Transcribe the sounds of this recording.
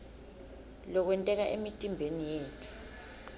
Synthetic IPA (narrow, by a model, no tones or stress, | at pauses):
lɔk̬wɛntʼɛk̬aʔḛmitʼimbʱenijeːtʰu̥